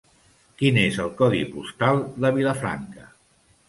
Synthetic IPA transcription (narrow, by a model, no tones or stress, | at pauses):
kinezəlˠkɔðḭpust̪alˠd̪əβiləfɾa̰ŋkə